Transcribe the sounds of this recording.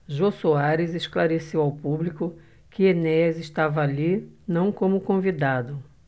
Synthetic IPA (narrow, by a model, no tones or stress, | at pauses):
ʒosuaɾɪzeʃklaɾesewawpublikʊ | kɪenɛzɪʃt̪avɐalinɐ̃w̃kõmʊkõvid̪ad̪ʊ